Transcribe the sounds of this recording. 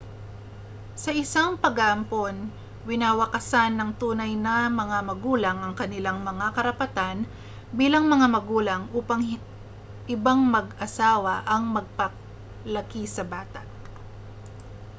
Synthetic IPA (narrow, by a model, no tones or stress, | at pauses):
sɐʔɪsaŋpɐɡaʔɐmpon | wɪnaːwɐkɐsanːɐŋt̪uːnɐjnɐmɐŋamɐɡuːlɐŋɐŋkɐnɪlaŋmɐŋakɐɾɐpɐt̪an | biːlɐŋmɐŋamɐɡuːlɐŋʔuːpɐŋ | ʔɪbaŋmɐɡɐsaːwɐʔɐŋmɐɡ̚pɐ | lɐkisɐbaːt̪ɐ̰t̪̚